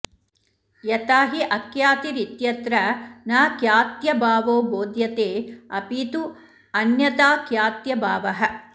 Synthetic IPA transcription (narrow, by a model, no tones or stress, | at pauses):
jɐt̪aːɦiʔɐkjaːt̪iɾit̪jɐt̪ɾɐnaːkjaːt̪jɐbaːʋoːboːd̪jɐt̪eːɐpit̪u | ɐnjɐt̪aːkjaːt̪jɐbaːʋɐɦɐ̆